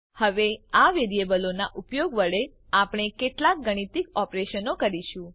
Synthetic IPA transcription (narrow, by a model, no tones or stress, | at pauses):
həʋeaʋeɾijebəlonaʔupjoɡʋəɭe | apɽ̃ekeʈlak̚ɡəɽ̃it̪ikɔpɾeʃənokəɾiʃũ